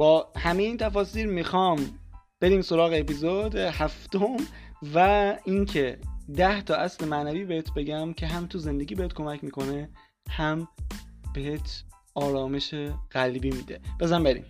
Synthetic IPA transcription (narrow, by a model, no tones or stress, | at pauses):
b̥ɒːhæmejiːnt̪ʰæfɒːsiːɾmixɒːm | b̥e̞ɾiːmso̞ɾɒːɣeːpizod̪ehæft̪omvæincʰe̞d̪æht̪ʰɒːʔæslemænæviːbeheːt̪ʰbe̞ɟæmcʰe̞ɦæmt̪ʰuze̞nd̪e̞ɡʲiːbeet̪̚kʰo̞mæcmiːkʰo̞ne̞ | hæmb̥e̞ɦet̪ʰ | ɒːɾɒːme̞ʃeɣ̥ælbiːmiːd̪e̞b̥ezæmbeɾḭm